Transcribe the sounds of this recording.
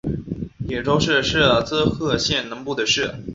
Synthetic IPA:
jɛ˨˩ʈ͡ʂo˥ʊʂɻ̩˥˧ʂɻ̩˥˩t͡sɹ̩˥xʰɤ˥˧ɕjɛ˥˩nnɤ˧˥ŋpu˥˩d̪ə˩ʂɻ̩˥˩

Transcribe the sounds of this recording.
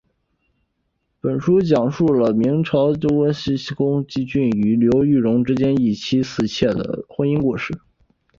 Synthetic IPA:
pə˨˩nʂu˥t͡ɕjɑ˨˩ŋʂu˥˩lə˩mi˧˥ŋʈ͡ʂʰɑ˧˥ʊʈ͡ʂo˥kwə˥nɕi˥ɕi˥kʊ˥ŋt͡ɕi˥t͡ɕy˥˩ny˧˩ljo˧˥ʊy˥˩ɻʊ˧˥ŋʈ͡ʂɻ̩˥t͡ɕjɛ˥ni˥˩t͡ɕʰi˥sɹ̩˥˩t͡ɕʰjɛ˥˩d̪ə̰˩xwə˥ni˥nku˥˧ʂɻ̩˥˩

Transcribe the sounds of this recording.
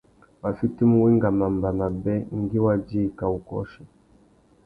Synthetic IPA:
ma˨fi˦ti˦mu˦wi˦ŋɡa˨ma˨mba˨na˨bɛ˦ŋ̩˦ɡi˦wa˦d͡ʒi˦˨ka˨u˨kɔ̰˦ʃi˨

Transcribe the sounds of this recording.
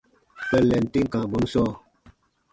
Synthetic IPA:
pə˨lɛ˨n̩˨ti˦ŋ˦kã˨bo˨˦m˦sɔː˦

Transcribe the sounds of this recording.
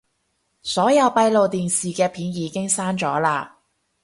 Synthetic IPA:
sɔː˨˥jɐ˨˧wpɐ˧jlo˨wt̪iː˨nsiː˨kɛː˧pʰiː˨˥njiː˨˧kɪ˥ŋsaː˥nt͡sɔː˨˥laː˧

